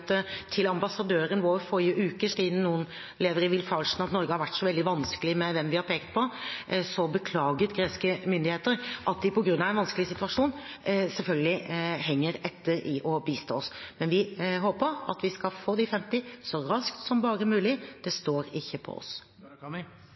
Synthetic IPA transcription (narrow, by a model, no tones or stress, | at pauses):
t̪t̪ʰɪlɑmbɑsɑd̪øːɾənʋoːɾfɔɾɪəʔʉːkəsiːd̪n̩nuːən | leːʋəɾɪʋɪlfɑlʂnɑt̪nɔɾɡəhɑɾʋæʈːsɔʋɛld̪ɪʋɑnskəlɪmɛʋɛmʋɪhɑɾpʰeːkt̪̚pʰɔsɔbəkʰlɑːɡət̪ɡɾeːskəmʏnd̪ɪheːt̪əɾʔɑt̪̚d̪ɪpɔɡɾʉnːɑʋɛnʋɑnskəlɪsɪt̪ʉʋɑʂuːn | sɛlfœlɡəlɪɦɛŋːəɾɛt̪ʰːəɾɪʔɔbiːst̪o̰ːɔsmɛnʋɪɦoːpəɾɑ̰t̪ʋɪskɑlfoːd̪ɪfɛmt̪ɪsɔɾɑskt̪sɔmbɑːɾəmʉːlɪd̪̥ɛst̪oːɾɪçːəpʰɔ̰ɔ̰s